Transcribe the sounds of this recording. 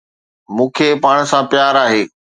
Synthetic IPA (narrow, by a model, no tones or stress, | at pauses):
mũːkʰepaːɽ̃sãpjaːɾaːɦeː